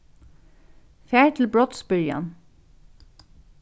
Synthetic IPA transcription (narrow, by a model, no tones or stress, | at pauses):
fæːɹʈ̪ʰl̩bɹɔt̪sbʏɹjɑ̰n